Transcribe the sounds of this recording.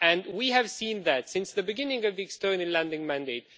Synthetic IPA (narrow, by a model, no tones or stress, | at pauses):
ɨ̃nwiɨv̥sĩnðɨtsɪ̃nsðɨbɨɡɪ̃nɪ̃ŋʌvðiɨkstɜ˞nəl̩læ̃ndɪ̃ŋmæ̃ndeɪt̚